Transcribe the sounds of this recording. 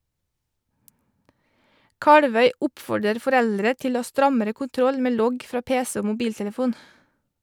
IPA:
ˈkɑɽʋœʏ ˈʊpfɔɖəɾ fɔˈɾɛldɾə ˈtɪl ˈoː ˈɑː ˈstɾɑməɾə kʊnˈtɾɔl ˈmeː ˈlɔɡ ˈfɾɑː ˈpeːsə ˈoː mʊˈbiːltɛləˌfuːn

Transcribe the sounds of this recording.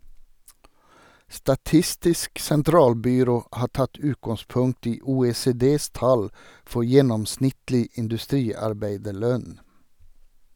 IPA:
stɑˈtɪstɪsk sɛnˈtɾɑːlbʏˌɾoː ˈhɑː ˈʈɑt ˈʉːtɡɑŋˌspʊŋkt ˈiː uːeːseːˈdeːs ˈtɑl ˈfɔ ˈjɛnɔmˌsnɪtlɪ ɪndʉˈstɾiːɑɾˌbæɪdəˌɭœn

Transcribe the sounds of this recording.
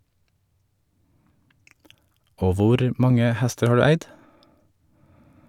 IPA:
ˈoː ˈʋʊɾ ˈmɑŋə ˈhɛstəɾ ˈhɑː ˈɖʉː ˈæɪd

